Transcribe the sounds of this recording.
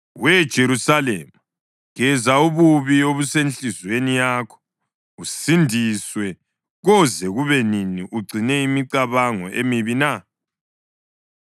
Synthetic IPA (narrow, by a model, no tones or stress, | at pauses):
wɛd̥ʒ̥ʱeɾusalḛma | ɣɛzauβuβioβusenɬizwenijaːkʰɔ̥ | usindʱiswɛ | ɣɔzɛɣuβɛniniʔuɡ͡ǀʱinɛimiǀaβaŋɔ̰ʔemiβina